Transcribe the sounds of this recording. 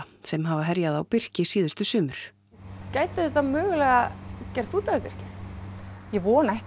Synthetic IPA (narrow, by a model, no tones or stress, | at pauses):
sɛmɦavaɦɛɾjaðawpɪr̥cɪsiːðʏst̪ʏsʏːmʏɾ̥ | caːjt̪ɪðɛt̪amœːɣʏlɛɣacɛr̥t̪uːt̪avɪpɪr̥cɪθ | jɛvɔːnɛh